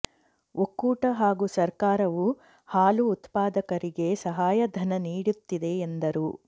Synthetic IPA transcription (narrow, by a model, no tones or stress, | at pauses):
ʔokːuːʈɐɦaːɡusɐɾkaːɾɐʋu | haːluːt̪paːd̪ɐkɐɾiɡe̞sɐɦaːjɐd̪ʱɐnɐniːɽut̪ːid̪e̞ːnd̪ɐɾu